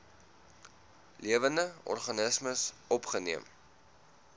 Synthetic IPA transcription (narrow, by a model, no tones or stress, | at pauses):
liəvəndəɔ̰rχɐnəsməsɔpχəniəm